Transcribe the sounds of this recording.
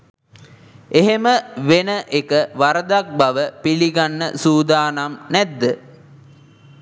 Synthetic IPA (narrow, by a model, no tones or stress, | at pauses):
eɦeməʋenəʔekəʋaɾəd̪ak̚baʋəpiliɡanːə̰suːd̪aːnamnæd̪ːə